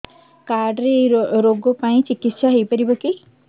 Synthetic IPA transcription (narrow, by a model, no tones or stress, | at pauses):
kaɾɖɾeɾoɡɔpaĩt͡ʃikit̪saɦojpɔɾibɔki